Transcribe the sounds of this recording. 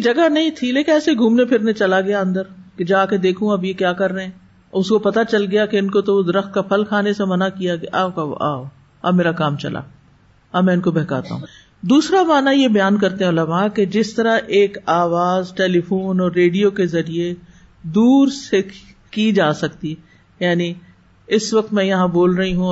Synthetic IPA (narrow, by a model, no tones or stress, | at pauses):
d͡ʒɐɡanɐɦĩt̪ʰileːkɛːseɡʱũːmnepʰɪɾnẽt͡ʃɐlaɡɐjaɐ̃nd̪əɾked͡ʒaːked̪eːkʰũɐbjekjaːkɐɾːəɛ̃ː | ʊskopɐt̪at͡ʃɐlɡɐjakeɪnkot̪ood̪ɪɾəxt̪̚kapʰɐlkʰaːnesemɐnakijaɡɐa̰akaa̰ːo | ɐ̰bmeːɾakaːmt͡ʃɐ̰la̰ | ɐbmɛ̃ːɪnkobɛɦka̰ːt̪a̰ɦũ | d̪uːsɾamaːnajebɐjaːnkɐɾt̪eɦɛ̃olɐmaːked͡ʒɪst̪ɐɾaʔeːkaːʋaːzʈeːlifuːnɔːɾːeːɖijokezɐɾie | d̪uːɾse | kid͡ʒaːsɐk̚t̪i | jaːni | ɪsʋɐk̚t̪mɛ̃jɐɦãboːlɾɐɦiɦũ